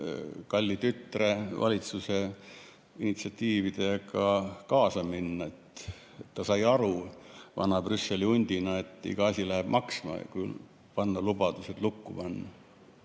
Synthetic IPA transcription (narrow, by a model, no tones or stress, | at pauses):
kɑlʲːit̪yt̪re̞vɑ̰lʲit̪suse̞ | init̪siɑt̪ʲːiːvid̪̥e̞ɑkɑkɑːsɑminːɑet̪ | t̪ːɑsɑjɑɾuvɑ̰nɑb̥rysːe̞liunʲd̪̥ʲinɑe̞t̪ˑːḭɡ̥ɑɑsʲilæɦeb̥mʔɑksmɑ̰kyl | pɑnːɑlub̥ɑd̪̥uset̪lukːupɑnːɑ